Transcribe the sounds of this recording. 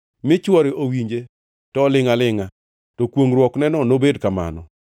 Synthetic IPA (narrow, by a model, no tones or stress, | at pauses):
mɪt͡ʃwɔɾɪʔowiɲd͡ʒe | tɔlɪŋalɪŋa | tɔkwoŋɾwɔknɛnɔnobedkama̰nɔ̰